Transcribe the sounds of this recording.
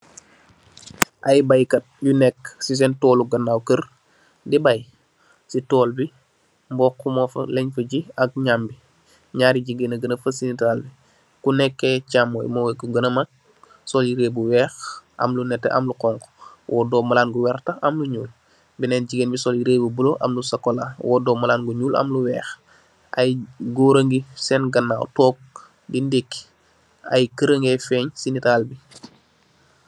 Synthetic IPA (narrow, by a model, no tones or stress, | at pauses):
ʔajbajkɐt̚junɛkːsis̬ɛntɔːluɡɐnːawkər | dibɐj | sitɔːlbi | mbɔːkːumɔːfɐ̰lɛɲfəɟiɐk̚ɲambi | ɲaːɾiɟiɡenɐɡənəfəsinitɾalbi | kunɛkːɛcamːo̰jmoweɡuɡɐnəmak̚ | sɔljiɾeːbuwɛːxʔɐ̰mlunɛtːḛʔɐ̰mluqɔŋkɔ̥wʔɔːdɔːmalaːnɡuwɛɾtɐɐmluɲuːl | binɛnɟiɡenbisɔljiɾeːbubuloʔɐ̰mlusɐkːolawɔ̰ːdɔːmalaːnɡuɲuːlʔɐ̰mluwɛːx | a̰jɡoːɾəŋɡisɛnɡɐnːaːwtɔːp̚ | bindekː | a̰jkəɾəŋɡefɛɲsinitaːlbi